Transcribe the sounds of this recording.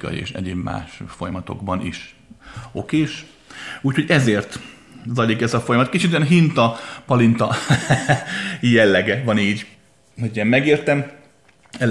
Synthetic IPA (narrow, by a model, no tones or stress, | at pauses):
kɒ̰jḭḛːʃɛ̰ɟeːbma̰ːʃfo̞jɒmɒt̪o̞̰ɡbɒnḭʃ | o̞keːʃ | uːcʰho̞ɟɛzeːrt̪ | zɒlikɛzɒfo̞jɒmɒt̪̚kit͡ʃit̪yjɛnɦint̪ɒpɒlint̪ɒ | jɛlːɛɡɛvɒniːɟ | ɦoɟɛmːɛɡeːrt̪ɛm | ɛ